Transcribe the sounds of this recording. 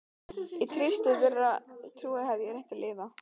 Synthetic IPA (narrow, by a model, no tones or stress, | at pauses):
it̪ʰɾɪst̪ɪvɪrːat̪ʰɾuːahɛvjɛɾejn̥t̪ɪlʔɪːva